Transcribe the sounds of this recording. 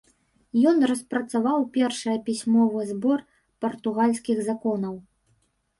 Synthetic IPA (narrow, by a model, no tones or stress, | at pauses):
jɔnrɐspɾɐt̪savawpʲɛrʂɐjɐpʲisʲmɔvɨzbɔr | pɐrt̪uɣalʲsʲkʲiɣzakɔnɐw